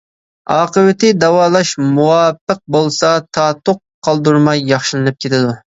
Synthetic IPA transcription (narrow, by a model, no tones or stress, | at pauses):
ɑːqəwɪt̪ʰɪd̪ɛwɑːlˠɑʃmuwɑːpːəq̚bolˠsɑt̪ʰɑːt̪oqʰː | ɑlˠd̪uɾmɑjːɑχʃilˠɨnɨp̚kʲʰet̪ʰɪd̪u